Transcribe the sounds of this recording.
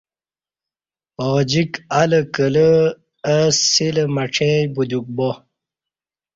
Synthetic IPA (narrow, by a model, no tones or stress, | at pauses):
od͡ʑikaləkələ | əsiləmaʈ͡ʂʰẽbud̪uk̚bo